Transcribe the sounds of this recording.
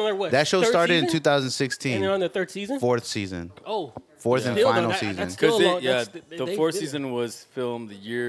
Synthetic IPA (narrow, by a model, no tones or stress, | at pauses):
awʌðɨtʃoʊstɑɹɾɨɾɨ̃ntʰʉθaʊzndsɪkstʰĩñnðɨθɜ˞d̥siz̃nfɔɹθsizɨ̰̃noʊfɔɹθɨ̃nfãɪ̃nl̩ˠsizɨ̃nkʰʌzjæðəfɔɹθssizɨ̃nwʌz̥fɪlˠmðɨjɪɹ